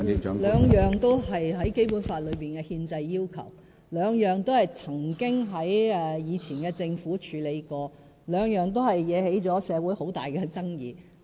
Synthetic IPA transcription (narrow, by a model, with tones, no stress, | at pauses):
lœː˨˧ŋjœː˨ŋt̪o˥whɐ˨jɦɐ˨˥jke˥jpuː˨˥nfaː˧t̚lɵ˨˧piː˨nkɛː˧hiː˧nt͡sɐ˧jːiː˥wkʰɐ̰˨˩w | lœː˨˧ŋjœː˨ŋt̪o˥whɐ˨jt͡sʰɐ˨˩ŋkɪ˥ŋɦɐ˨˥jɛː˧jiː˨˧t͡sʰiː˨˩nkɛː˧t͡sɪ˧ŋfuː˨˥t͡ʃʰyː˨˧le˨˧jkɔː˧ | lœː˨˧ŋjœː˨ŋt̪̬o˥wɦɐ˨jjɛː˨˧he˨˥jt͡ʃɔː˨˥sɛː˨˧wuː˨˥jho˨˥wt̪aː˨jkɛ˧t͡sɐ˥ŋjiː˨